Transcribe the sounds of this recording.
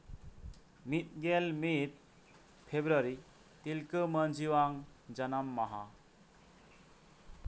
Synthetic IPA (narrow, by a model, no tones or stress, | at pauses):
mit̪̚ɡelmit̚ | pʰebɾaɾi | tilkɯmənd͡ʒiwaŋ | d͡ʒanamːaɦa